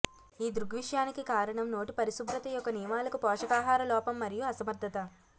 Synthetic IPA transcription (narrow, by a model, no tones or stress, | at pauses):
iːd̪ɾuɡʋiʂjaːnikikaːɾɐɳɐmno̞ːʈipɐɾisubɾɐt̪ɐjɔkːɐnijɐmaːlɐkupɔːʂɐkaːɦaːɾɐlɔːpɐmːɐɾijuɐsɐmɐɾd̪ʱːɐt̪ɐ